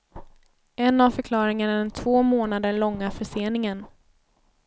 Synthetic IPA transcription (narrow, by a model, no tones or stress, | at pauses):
ʔɛnːavfœɾkʰlɑːɾɪŋanaɖɛnt̪ʰvoːmoːnad̪əɭɔŋːafœʂeːnɪŋən